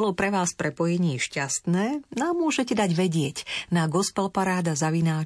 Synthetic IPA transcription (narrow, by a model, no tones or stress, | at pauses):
lɔpɾɛʋaːspɾɛpɔjɛɲɪiːʃcast̪nɛːnamːʊɔʒɛcɛd̪aɟʋɛɟɪɛcnaɡɔspɛlpaɾaːd̪azaʋinaː